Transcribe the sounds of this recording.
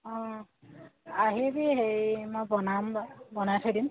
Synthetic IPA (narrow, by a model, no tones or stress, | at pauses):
ɔ̃ | aɦibiɦejmojbɔnamabɔnajtʰɔjdim